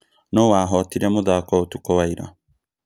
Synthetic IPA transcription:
nowaːɦɔtiɾamoðaːkɔotukɔwaiɾa̰

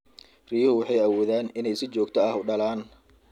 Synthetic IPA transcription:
riːjhʊwɑħɑjɐwɔːðaːnɪnɛjsɪt͡ʃɔːɡt̪ʰɔɐhʊɖɐlaːn

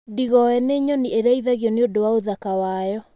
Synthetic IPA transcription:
diɣɔɛneɲɔnieɾaiðaɣjɔneodowaoðakawajɔ

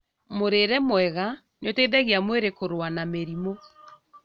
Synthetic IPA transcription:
moɾeɾɛmwɛɣa | neoteðɛɣeamweɾekoɾwanameɾimo

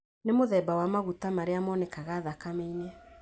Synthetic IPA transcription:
nemoðɛːbawamaɣutamaɾeamɔnɛkaɣaːðakameinɛ

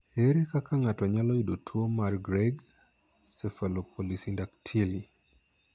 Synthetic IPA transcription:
eɾekakaŋatɔɲalɔidotʰuomarɡɾɛɡ | sɛfalopʰolisindaktʰili

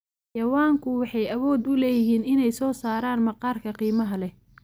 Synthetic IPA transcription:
jɐwaːŋkʰʊwɑħɑjɐwɔːd̪ʊlɛːjɪɦiːnɪnɛjsɔːsaːɾaːnmɐqɑːrkʰɐqiːmɐɦɐlɛ

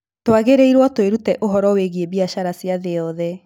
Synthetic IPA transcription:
towaɣeɾeiɾwɔtoeɾutɛʔoɦɔɾɔweɣiebiaʃaɾasjaðeɔðɛ

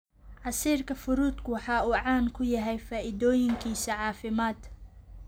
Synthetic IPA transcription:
ʕɑsiːrkʰɐfʊɾuːd̪kʰʊwɑħɑːuːʕɑːŋkʰʊjɐɦɛjfaːʔɪd̪ɔːjɪŋkʰiːsɐʕɑːfɪmaːd̪

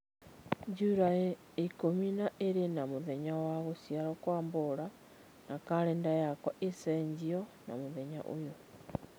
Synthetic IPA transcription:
ɲd͡ʒuɾae | ekominaʔeɾenamoðɛɲawaɣosiaɾɔkwaːmboɾa | nakaɾɛndajakwɔʔesɛɲd͡ʑiɔna̰moðɛɲa̰ʔo̰jo

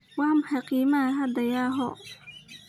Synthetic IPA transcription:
waːmħaqiːmaɦɐd̪ɐjaːɦɔ

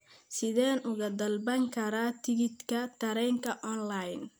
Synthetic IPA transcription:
sɪðɛːnʔʊɣɐd̪ɐlbɐŋkʰɐɾaːt̪ʰɪɣɪt̪kʰɐt̪ʰɐɾɛːŋkʰɐʔɔnlajn

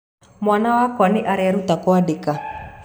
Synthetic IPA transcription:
mwanawakwanɪʔaɾɛaɾut̪akɔadeka

